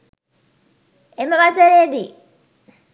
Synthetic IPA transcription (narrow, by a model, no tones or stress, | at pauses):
eməʋaseɾeːd̪i